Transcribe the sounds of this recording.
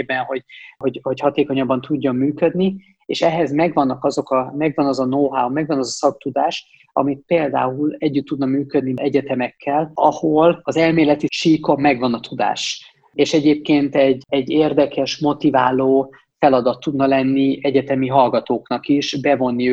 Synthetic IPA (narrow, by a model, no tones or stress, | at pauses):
ebɛnɦo̞ɟhoɟho̞chɒt̪eːko̞ɲɒbːɒnt̪uɟːo̞mːyːkød̪ni | ḛːʃɛɦɛzmɛɡʋɒnːɒkɒzo̞kɒmɛɡʋɒnɒzɒnoːɦaumɛɡvɒnɒzɒsɒk̚t̪ud̪aːʃ | ɒ̰mit̪̚peːld̪a̰ːulɛɟːyt̪ːud̪nɒmyːkød̪niɛɟɛt̪ɛmɛkʰːɛlɒ̰ho̞lɒzɛlmeːlɛt̪iʃiːkommːɛɡvɒnɒt̪ʰud̪a̰ːʃ | eːʃɛɟeːp̚keːnt̪ɛɟːɛɟːeːrd̪ɛkʰɛʃmo̞t̪iva̰ːloː | fɛlɒd̪ɒt̪ːud̪nɒlɛnːiɛɟɛt̪ɛmiɦɒlɡɒt̪oːknɒkiʃbɛvo̞nːi